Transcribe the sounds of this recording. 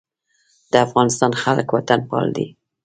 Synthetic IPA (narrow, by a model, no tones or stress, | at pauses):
d̪̥əafɣɑnɪst̪ɑnxaləkwat̪anpɑ̰ld̪ḭ